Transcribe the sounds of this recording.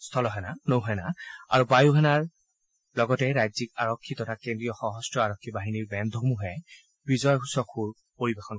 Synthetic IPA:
st̪ʰɔlɔɦɛnanowɦɛjna̰a̰ɹubajuɦɛnaɹ | lɔɡɔtɛɹajzikaɹɔkʰːitɔtʰakendɹijɔxɔɦɔstɹɔaɹɔkʰːibaɦiniɹbɛnd̪ʱomuɦɛ | pɹizɔjɦusɔkʰuɹ | poɹibexɔn

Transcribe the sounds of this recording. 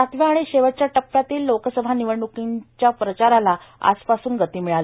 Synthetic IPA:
at̪ʋjaaɽ̃iɕeʋət͡ɕjaʈəpːjat̪iːlːokəsəbʱaniʋəɳɖukiɲt͡ɕjapɾət͡ɕaɾalaa̰d͡zpasuːnɡət̪iːmiɭalə

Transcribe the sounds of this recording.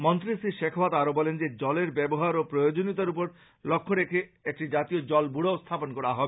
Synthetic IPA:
mɔnt̪ɾisiʃekʰbat̪aɾobɔlend͡ʑed͡ʒɔleɾbɛboɦaɾopɾojod͡ʒonit̪̬aɾupoɾ | lokʰːoɾekʰeek̚ʈid͡ʒat̪iod͡ʒɔlbuɽoost̪ʰaponkɔɽaɦɔbe

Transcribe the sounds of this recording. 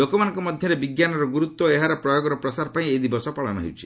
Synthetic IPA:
lokɔmanɔŋkɔmɔd̪ʱjɔɾebiɡjanɔɾɔɡuɾut̪wɔeɦaɾɔpɾɔjoɡɔɾɔpɾɔsaɾɔpaĩed̪ibɔsɔpɔɭa̰nɔ̰ɦḛwt͡ʃʰi̥

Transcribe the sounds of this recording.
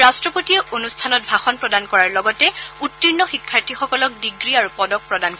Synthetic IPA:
ɹastɹɔpotiɛonustʰanɔt̚bʱaxɔnpɹɔdankɔɹaɹlɔɡɔtɛutːinːɔxikʰːaɹtʰixɔkɔlɔk̚diɡɹiaɹupɔdɔk̚pɹɔdank

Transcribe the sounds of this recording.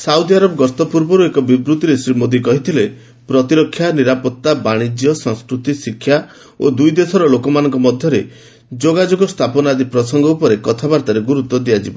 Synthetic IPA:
saud̪iaɾɔbɔɡɔst̪ɔpuɾbɔɾuekɔbibɾut̪iɾesɾimod̪ikɔɦit̪ʰile | pɾɔt̪iɾɔkʰːjaniɾapɔt̪ːabaɽ̃id͡ʒjɔsɔŋskɾut̪isikʰːja | o̰d̪ujd̪esɔɾɔlokɔmanɔŋkɔmɔd̪ʱjɔɾe | d͡ʒoɡad͡ʒoɡɔst̪ʰapɔnad̪ipɾɔsɔŋɡɔupɔɾekɔt̪ʰabaɾt̪aɾeɡuɾut̪ːɔd̪iad͡ʒibɔ

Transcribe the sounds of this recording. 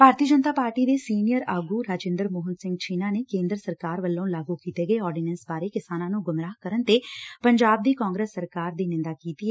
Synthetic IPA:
paːɾt̪iəd͡ʒənt̪aːpaːɾʈiːd̪eːsiːnijəɾaːɡuːɾaːd͡ʒẽɪ̃ːnd̪əɾmoːɦənsɪ̃ŋɡt͡ʃʰiːnaːneːkẽːnd̪ɾəsəɾkaːɾʋəlːaũlaːɡuːkiːt̪eːɡəeːɔːɾɖinɛnsbaːɾeːkɪsaːnãːnũːɡʊmɾaːkəɾənt̪eːpəɲd͡ʒaːb̚d̪iːkɔːŋɡɾeːsːəɾkaːɾd̪iːnɪ̃nd̪aːkiːt̪iɛː

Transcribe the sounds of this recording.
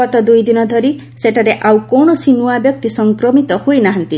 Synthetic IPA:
ɔt̪ɔd̪ujd̪inɔd̪ʱɔɾi | seʈʰaɾeʔawkonɔsinuabjɔk̚t̪isɔŋkɾɔmit̪ɔhojnaɦɔnt̪i

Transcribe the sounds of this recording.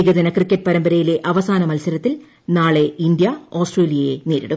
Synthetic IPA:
ɡɐd̪ɐnɐkrikʲːɐt̚ːpɐɾɐmbɐɾɐjile̞ʔɐʋɐsaːnɐmɐlsɐɾɐt̪ːil | naːɭe̞ind̪jɐoːsʈreːlijɐjḛneːɾḭɽukː

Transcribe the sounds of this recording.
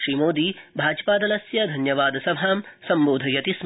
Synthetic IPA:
ʃɾiːmoːd̪iːbʱaːd͡ʒɐpaːd̪ɐlɐsjɐd̪ʱɐnjɐʋaːd̪ɐsɐbʱaːmsɐmboːd̪ʱɐjɐt̪is

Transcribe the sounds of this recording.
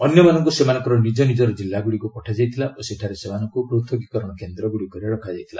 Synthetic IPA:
ɔnjɔmanɔŋkusemanɔŋkɔɾɔnid͡ʒɔnid͡ʒɔɾɔd͡ʒilːaɡuɽikupɔʈʰad͡ʒajt̪ʰilaʔoseʈʰaɾesemanɔŋkupɾot̪ʰjɔɡikɔɾɔɽ̃ɔkend̪ɾɔɡuɽikɔɾieɽɔkʰad͡ʒajt̪ʰila̰

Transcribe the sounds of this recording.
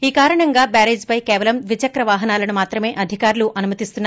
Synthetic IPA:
iːkaːɾɐɳɐŋɡaːbaːɾeːd͡ʒpɐjkɛːʋɐlɐmʋit͡ʃɐkɾɐʋaːɦɐnaːlɐnumaːt̪ɾɐme̞ːʔɐd̪ʱikaːɾluʔɐnumɐt̪ist̪unː

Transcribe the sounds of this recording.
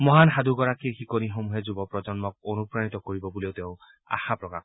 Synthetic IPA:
mɔɦanxad̪uɡɔɹakiɹxikonixomuɦɛzubɔpɹɔzɔnmɔk̚onupɹanit̪ɔkoɹibɔbuleʊteʊ̃ | a̰xapɹɔka̰x

